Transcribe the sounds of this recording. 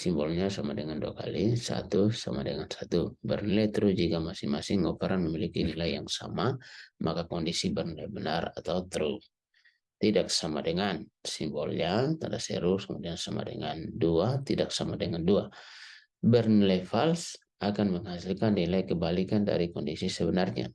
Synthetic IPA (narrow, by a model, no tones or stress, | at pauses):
simbɔlɲasamadɛŋanduaka̰lisa̰t̪usa̰ma̰dɛŋansat̪ubɛrnlɛt̪ɾud͡ʒikamasɪŋmasɪŋːɔpaɾʔanmɛmilikinilajjaŋsa̰mamʔakakɔndisibɛrnlɛbɛnara̰t̪aut̪ɾu | t̪idak̚sama̰dɛŋansimbɔlɲat̪adasɛ̰ɾuskəmudiansama̰dɛ̰ŋanduat̪idak̚samadɛŋandua | bɛrnlɛfals | akanməŋhasilkannilajkəbalikanda̰ɾikɔndisisɛbənarɲa̰